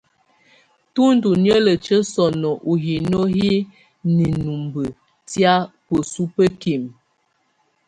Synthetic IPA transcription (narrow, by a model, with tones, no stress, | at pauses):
tu˦n˦du˨njə˦lə˨t͡ʃə˦sɔ˨nɔ˨ʔu˨ɦi˨no˦hi˦ | ni˨nu˨mbə˨ | tja˦pə˨su˦pə˦ki˨m